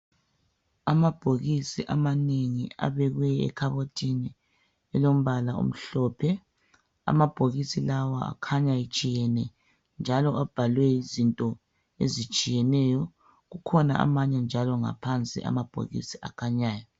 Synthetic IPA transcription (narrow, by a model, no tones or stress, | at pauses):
amab̥ʱoɣisiʔamaneŋia̰βɛɣwɛɛ̰kʰaβotʰʼini | ɛlom̩βalaṵm̩ɬɔːpʰɛ | a̰mab̥ʱoɣisilawaa̰kʰaɲajit͡ʃʼijɛnɛ | nd͡ʒʱalɔab̥ʱalwɛizintʼɔ | ḛzit͡ʃʼijɛnɛjɔ | ɣukʰɔna̰a̰maɲand͡ʒʱalɔŋa̰pʰant͡sʼḭʔa̰mab̥ʱo̰ɣḭsiʔa̰kʰaɲaːjɔ